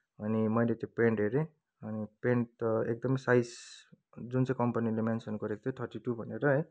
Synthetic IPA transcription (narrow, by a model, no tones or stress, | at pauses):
ʌnimʌjlet͡sʌ̃peɳʈɦeɾẽ | ʌnipeɳʈek̚d̪ʌmʌjsajs | d͡zunt͡sãj̃kʌmpanilemansenɡʌɾekot̪ʰõt̪ʰʌrʈiʈubʱʌneɾʌɦe